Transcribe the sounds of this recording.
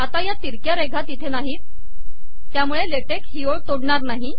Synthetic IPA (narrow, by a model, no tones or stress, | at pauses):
at̪ajat̪iɾkjaɾeɡʱat̪it̪ʰenaɦiːt̪ | t̪ːjamuɭeleʈekɦioɭt̪oɽɳaɾnaɦi